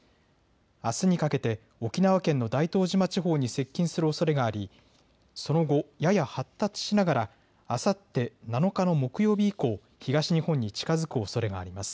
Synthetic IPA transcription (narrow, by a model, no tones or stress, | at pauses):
asɨɲ̟ikake̞t̪e̞ | o̞kʲinaβakẽ̞nːo̞d̪ait̪o̞ːʑimat͡ɕiɦo̞ːɲ̟ise̞kʲːĩɰ̃sɨɾɯo̞so̞ɾe̞ɡaːɾʲi | so̞no̞ɡo̞jajahat̪ːat͡sɨ̥ɕinaɡaɾaː | sat̪ːe̞nano̞kano̞mo̞kɯ̟jo̞ːbʲiːko̞ː | çiɡaɕiɲ̟ihõ̞ɲ̟ːit͡ɕi̥kazɨkɯ̟o̞so̞ɾe̞ɡaːɾʲimasɨ̥